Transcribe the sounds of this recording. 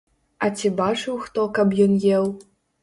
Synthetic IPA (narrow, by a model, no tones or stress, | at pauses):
ɐt͡sʲibat͡ʂɨwxt̪ɔkɐbjɔnjɛw